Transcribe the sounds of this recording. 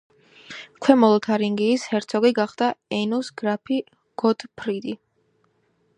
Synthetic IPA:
kʰwɛmɔlˠɔt̪ʰaɾiŋɡiːshɛɾt̪sʰɔɡiɡaχd̪aɛnusɡ̥ɾapʰi | ɡ̥ɔd̪̥pʰɾid̪i

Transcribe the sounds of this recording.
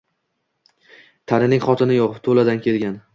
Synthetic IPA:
t̪ʰaɾɪnɪŋχɒt̪ʰɪnɪjɒqt̪ʰolad̪ankʲʰe̞lɡʲan

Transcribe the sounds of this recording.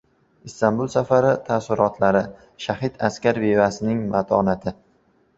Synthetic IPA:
ɪst̪anbulˠsafaɾɪt̪ʰasʊɾɒt̪ʰlaɾɪ | ʃahɪt̪askʲaɾbevasɪnɪŋmat̪ʰɒnat̪ʰɪ

